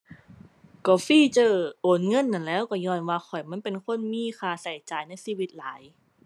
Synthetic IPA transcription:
kɔː˧˩fiː˧˥˩t͡ɕɤː˧˩ʔoː˨˩nŋɤ˧˥˨nːa˧˩nlɛː˦˥˩wkɔː˧˩ɲɔː˧nwaː˧xɔ˨˩jma˧˥˨npe˧˨nkʰo˧˥˨nmiː˧˥˨xʰaː˧˩sa˨˩jt͡ɕaː˨˩jna˧˥˨jsiː˧˩wi˧˥t̪̚laː˨˦j

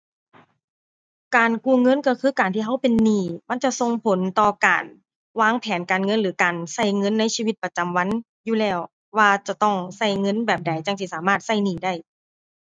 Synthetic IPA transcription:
kaː˨nku˧˨ŋɤ˧˥˨nkɔː˧˩kʰɯː˧˥˨kaː˨˩nt̪ʰiː˧ɦa˧˥˩wpe˨nːiː˧˩ma˧˥˨nt͡ɕa˧˨ʔso˧ŋpʰo˨˦nt̪ɔː˧˩ka̰ː˨n | waː˧˥˨ŋpʰɛː˨˦nkaː˨˩nŋɤ˧˥˨nlɯː˨˩˦kaː˨˩nsa˧˩jŋɤ˧˥˨nːa˧˥˨jsiː˧wi˧˥t̪̚pa˧t͡ɕa˨˩mwa˧˥˨n | juː˧˨lɛː˧˩w | waː˧t͡ɕa˨˧˩t̪ɔ˧˩ŋsa˧˥˩jŋɤ˧˥˨nbɛː˨˩p̚da˨˩˦jt͡ɕa˧˩ŋt̪ʰiː˧˩saː˨˦maː˧˥˩t̪̚sa˧˥˩jniː˧˩da˥˩j

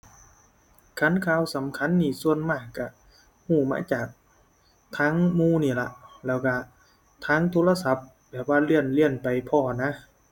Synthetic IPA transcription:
kʰa˧˥˨nkʰaː˧˥˨wsa˨˦mkʰa˧˥˨nːiː˧˩su˧ənmaː˧˩kːa˧˩ | huː˧˩ma̰ː˧˥˨t͡ɕaː˨˩k̚ | t̪ʰaː˧˥˨ŋmuː˧˨niː˧˩la˧lɛː˧˩wka˧˩ | t̪ʰaː˧˥˨ŋt̪ʰoː˧˥la˧sa˧˦p̚ | bɛː˨˩p̚waː˧˩li˧˩ənli˧˥˩ənpa˨jpʰɔː˧˩na˧˦˥

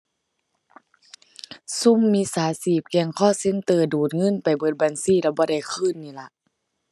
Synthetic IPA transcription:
su˧˥˨mːiː˧˥˨saː˨˦siː˧˩p̚kɛ˧˩ŋkʰɔː˧˥˨se˧˥˨nt̪ɤː˧˩duː˨˩t̪̚ŋɤ˧˥˨npa˨˩jbɤː˧˩t̪̚ba˨nsiː˧˥˨la˧˩bɔː˧˦da˧˩jkʰɯː˧˥˨nːiː˧˩la˧˦ʔ

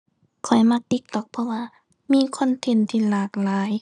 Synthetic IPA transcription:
kʰɔ˨˩jma˧k̚t̪i˧˥k̚t̪ɔ˧˩k̚pʰɔ˧waː˧ | miː˧˥˨kʰɔ˧˥˨nt̪ʰe˧˩˨nt̪ʰiː˧˨laː˨˩k̚laː˨˦j

